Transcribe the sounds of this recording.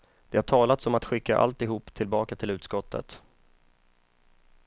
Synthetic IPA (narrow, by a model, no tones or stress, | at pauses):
d̪̥ɛhaʈʰɑːlat̪sɔmat̪ɧɪkːa̰ʔa̰lt̪ɪɦuːpːt̪ʰɪlbɑːkat̪ʰɪlʉ̟ːt̪skɔt̪ːə̰t̪